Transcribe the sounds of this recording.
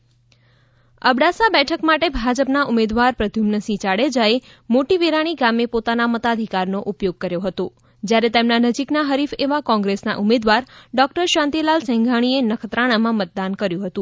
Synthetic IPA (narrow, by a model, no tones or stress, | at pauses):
ə̰bɽasabɛʈʰəkmaʈebʱad͡ʒəpnaʔumed̪ʋaɾpɾəd̪ʱjumnəsĩt͡ʃaɽed͡ʒae | moʈiʋeɾaɽ̃iɡamepot̪anamət̪ad̪ʱikaɾnoʔupjoɡ̚kəɾjoɦət̪o | d͡ʒjaɾet̪emnanəd͡ʒiknaɦəɾifeʋakɔ̃ŋɡɾesna̰ʔumed̪ʋaɾɖɔk̚ʈəɾʃãnt̪ilalsɛ̃ŋɡʱaɽ̃ienəkʰət̪ɾaɽ̃amãmət̪̚d̪ankəɾjũɦət̪ũ